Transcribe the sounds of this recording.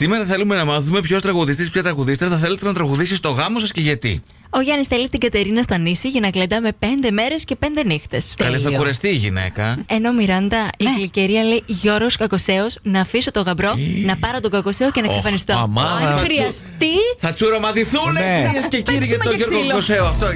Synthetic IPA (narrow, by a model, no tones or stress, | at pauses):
simeɾɐθe̞lume̞nɐmɐθume̞pço̞st̪ɾɐɣuðist̪ispçɐt̪ɾɐɣuðist̪eθɐθelet̪eznɐt̪ɾɐɣuðisist̪o̞ɣɐmosɐsce̞ʝɐt̪ḭ | o̞ʝɐnisθelit̪iɡɐt̪e̞ɾinɐst̪ɐnisiʝɐnɐkled̪ɐme̞pe̞nd̪e̞me̞ɾe̞sce̞pe̞nd̪e̞nixt̪e̞skɐlesɐkuɾɐst̪iːʝḭnḛkɐe̞no̞miɾɐnd̪ɐiiliceɾiɐle̞iʝo̞ɾɣoskɐko̞se̞osnɐːfisot̪o̞ɣɐbɾo̞nɐpɐɾot̪oɡɐko̞seoce̞nɐsefɐnist̪omɐɾiɐst̪iθɐt͡suɾomɐðiθunesceciɾiʝɐt̪oʝoɾokoseoɐft̪o